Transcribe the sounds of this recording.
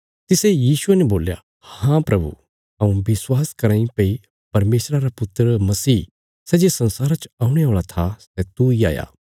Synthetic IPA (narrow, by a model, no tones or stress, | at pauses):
t̪ɪsejiːsʊɛnɛboːlja̰ | hãpɾɐbṵ | ɐũbɪswaːskɐɾãːĩpei | pɐɾmeːsɾaɾapʊt̪ːɾmɐsiː | sɛd͡ʒesɐ̃nsaːɾat͡ʃaːũɽ̃ɛoːɭat̪ʰasɛt̪uia̰ːja̰ː